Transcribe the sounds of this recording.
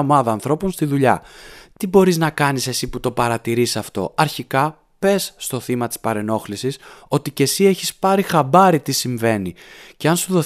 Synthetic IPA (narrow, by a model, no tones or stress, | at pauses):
mɐðɐːnθɾo̞po̞nst̪iðuʎɐt̪ibo̞ɾiznɐkɐnise̞siput̪o̞pɐɾɐt̪iɾisɐft̪o̞̰ɐɾçikɐ | pe̞sːt̪o̞θimɐt̪ispɐɾe̞no̞xlisiso̞t̪ice̞sie̞çispɐɾixɐbɐɾit̪isiɱve̞niceɐnsuðo̞